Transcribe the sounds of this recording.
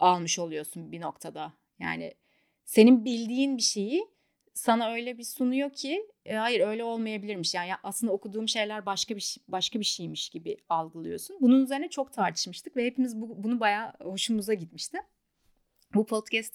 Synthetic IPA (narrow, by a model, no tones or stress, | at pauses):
alˠmɯʃo̞lˠujo̞sunbino̞kt̪ʰad̪a | ja̰ːnɪ̰ | se̞ninbilʲd̪iːnbiʃe̞ji | sanaø̞jlʲɛbisunujo̞cʰːihajiɾø̞jlʲɛo̞lˠmajabilʲiɾmiʃjaːjaʔaslɯnd̪aokʰud̪uːmʃe̞jlʲæɾbaʃkabiʃbaʃkabiʃijmiʃɟibialˠɡɯlˠɯjo̞sunbununyze̞ɾinɛt͡ʃʰo̞kt̪ʰaɾt̪ʰɯ̥ʃmɯʃt̪ʰɯkvɛhepimizbubunubajaːho̞ʃumuzaɟit̪miʃt̪ʰɪm | bupʰo̞t̪cʰɛst̪